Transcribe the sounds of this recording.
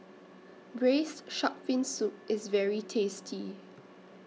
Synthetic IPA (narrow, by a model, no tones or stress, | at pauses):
bɹesʃɔpfɪ̃nsup̚ɪsvɛɹitʰestʰi